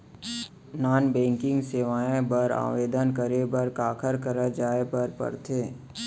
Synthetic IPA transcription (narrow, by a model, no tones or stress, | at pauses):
naːnbɛ̃ːŋkɪ̃ŋɡseːʋaːẽbəɾa̰ːʋeːd̪ənkəɾebəɾkaːkʰəɾkəɾəd͡ʒaːepəɾpə̰ɾt̪ʰeː